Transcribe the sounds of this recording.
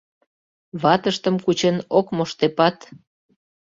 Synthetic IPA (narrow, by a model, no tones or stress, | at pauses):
βɑt̪əʃt̪əmkut͡ɕenokmoʃt̪epɑt̪